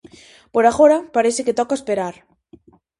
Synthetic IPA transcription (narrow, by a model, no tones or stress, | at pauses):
poɾaɣoɾapaɾeseket̪ɔkaespeɾaɾ